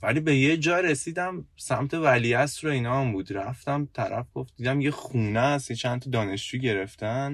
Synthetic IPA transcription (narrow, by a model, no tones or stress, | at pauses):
væliːbe̞jed͡ʒɒːɾesiːd̪æmsæmt̪ʰe̞væliæsɾoinɒːæmbuːd̪ɾæft̪æmt̪ʰæɾæ̰fɡ̥o̞fd̪d̪iːd̪æmjexuːnæsjet͡ʃʰænt̪ʰɒd̪ɒːne̞ʃd͡ʒuːiɟe̞ɾeft̪æn